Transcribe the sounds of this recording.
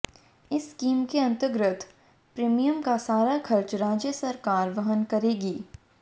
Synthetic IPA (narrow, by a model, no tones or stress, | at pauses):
ɪskiːmkeɐ̃nt̪əɾɡɾɪt̪ʰ | pɾeːmijəmkasaːɾaxʰɐɾt͡ʃɾaːd͡ʒjəsɐɾkaːɾʋɐɦənkɐɾeːɡiː